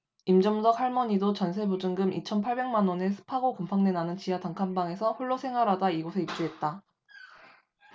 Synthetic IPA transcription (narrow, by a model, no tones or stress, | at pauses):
imd͡ʑʌmsʰʌk̚haɭmʌɲidot͡ɕʌnsʰe̞bud͡ʑɯŋɡɯmʔḭt͡ɕʰʌnpʰaɭbe̞ŋmanwʌne̞sʰɯ̥pʰaɡokompʰaŋne̞nanɯnt͡ɕijataŋkʰambaŋe̞sʰʌɸuɭːosʰe̞ŋɦwaɾadaiɡosʰe̞ip̚t͡ɕ͈uɦe̞t̚t͈a